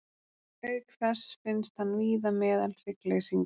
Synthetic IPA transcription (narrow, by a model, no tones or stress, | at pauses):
œɥkθɛsfɪnst̪hanːviːðamɛːðalr̥ɪklejsiŋk